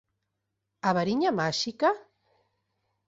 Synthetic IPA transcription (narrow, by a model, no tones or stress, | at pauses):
aβaɾiɲamaʃika